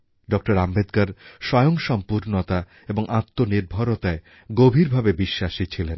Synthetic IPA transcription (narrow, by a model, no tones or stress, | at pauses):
ɖɔk̚ʈoɾambed̪kaɾʃɔjoŋʃɔmpuɾnot̪a | eboŋʔat̪ːoniɾbʱaɾot̪ae | ɡobʱiɾbʱabebiʃːaʃit͡ɕʰilen